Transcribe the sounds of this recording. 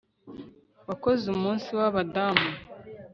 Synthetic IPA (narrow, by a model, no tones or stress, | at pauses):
wako̞zumuːnsiwaβadamu